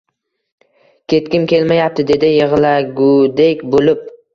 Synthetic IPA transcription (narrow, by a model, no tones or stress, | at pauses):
kʲʰe̞t̪kʲɪmkʲʰe̞lmajap̚t̪ʰɪd̪e̞d̪ɪjɪʁlaɡʊd̪ekʲbolɪp̚